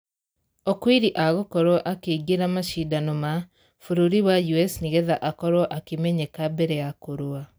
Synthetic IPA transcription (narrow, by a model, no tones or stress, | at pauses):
okwiɾiʔaɣokɔɾwɔʔakeiɡeɾamaʃidanoma | fuɾoɾiwajuɛsniɣɛðaʔakɔɾwɔʔakemɛɲɛkabɛɾɛakoɾoa